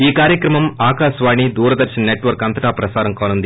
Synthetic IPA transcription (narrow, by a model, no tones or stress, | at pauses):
iːkaːɾjɐkɾɐmɐmaːkaːsʋaːɳid̪uːɾɐd̪ɐɾʃɐnneʈːʋɐɾkɐnt̪ɐʈaːpɾɐsaːɾɐmkoːnɐnd̪